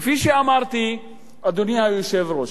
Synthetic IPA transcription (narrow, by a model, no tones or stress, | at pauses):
fiʃiaːmaːɾt̪ʰi | ɐd̪ʊnɪjãːʋiʃeːʋɾoː